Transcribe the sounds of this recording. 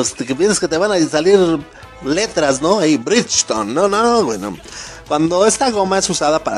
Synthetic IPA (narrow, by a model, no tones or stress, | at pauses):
ost̪ekepjens̬asket̪eβanasaliɾ | let̪ɾasnoaibɾit͡ʃt̪o̰nːonoɡweno̰ | kwand̪oest̪aɣomaesusaðapaɾa